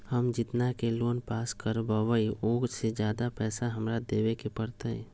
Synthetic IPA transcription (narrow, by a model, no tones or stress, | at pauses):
həmd͡ʒɪt̪nakeloːnpaːskəɾbəʋəioːɡsed͡ʒjaːd̪apɛːsaɦəmɾad̪eːwekepəɾt̪əɛ̰̃